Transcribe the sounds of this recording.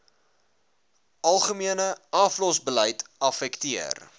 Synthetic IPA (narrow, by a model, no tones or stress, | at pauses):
ɐlˠχəmiənəɐflɔsbələjtɐfɛktiə̰r